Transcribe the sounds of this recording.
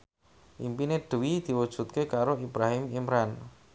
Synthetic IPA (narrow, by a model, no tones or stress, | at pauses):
ʔḭmpineɖ̥əwid̪̥i̤wud̥ʒ̥ṳt̪̚kekaɾoibɾaɦɪmimɾan